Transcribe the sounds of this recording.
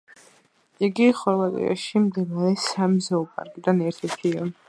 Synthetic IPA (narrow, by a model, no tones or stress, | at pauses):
iɡiχɔɾvat̪ʼḭa̰ʃimd̪ilaɾɛsamzɛɔpʼa̰ɾkʼid̪anɛɾt̪ʰɛɾt̪ʰia